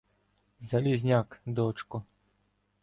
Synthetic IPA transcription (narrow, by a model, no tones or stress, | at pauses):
zalʲizʲnʲakd̪ɔt͡ʃkʊ